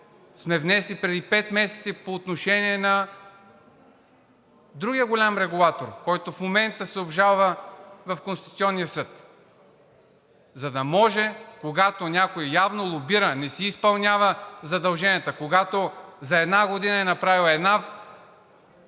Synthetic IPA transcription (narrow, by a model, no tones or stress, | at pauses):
smɛvnɛslipɾɛd̪ipɛt̪mɛsɛt̪sipoːt̪noʃɛnʲiɛnɐ | d̪ɾuɡʲijəɡolʲamɾɛɡulˠat̪oɾkɔjt̪ofmomɛnt̪əsɛobʒalˠvəvɐfkonst̪it̪u̥t̪siɔnːijəsɤt̪ | zɐd̪ɐmɔʒɛkoɡat̪onʲakojijavnolˠobiɾənɛsiːspɐlˠnʲavəzɐd̪ɐlˠʒɛniət̪əkoɡat̪ozɐɛd̪naɡod̪inəɛnɐpɾavilˠɛd̪na